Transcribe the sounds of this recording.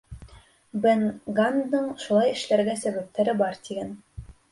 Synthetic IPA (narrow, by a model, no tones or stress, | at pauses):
bɘnɡanːɤɴʃulˠɑjɘ̆ʃlæɾɡæsæβæp̚t̪æɾɘbɑɾt̪iɡæn